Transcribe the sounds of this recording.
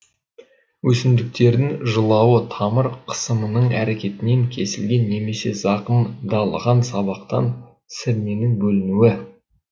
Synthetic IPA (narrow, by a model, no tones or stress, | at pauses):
wɵsɪnd̪ɪk̚t̪e̞ɾd̪ɪŋʒəlˠɑwət̪ʰɑməɾqʰə̥səmənəɴæɾe̞kʲe̞t̪ɪne̞ŋkʲʰe̞sɪlɡʲe̞nːe̞me̞se̞̰zɑqəmd̪ɑlˠəʁɑnsɑβɑqt̪ɑ̰n | sɪɾne̞nɪŋbɵlɪnuwɪ